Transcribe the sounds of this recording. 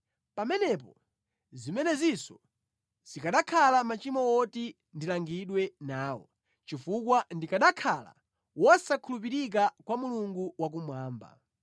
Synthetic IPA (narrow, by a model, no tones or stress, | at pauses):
pamɛnɛp̬ɔ | zimɛnɛzisɔ | z̥ikaɗakʰalamat͡ʃimɔwɔti | ndilaŋɡiɗwɛnaːwɔ | t͡ʃifukwandikaɗakʰala̰ | wɔsakʰulup̬iɾik̬akwamuluŋɡuwak̬umwaːmba̰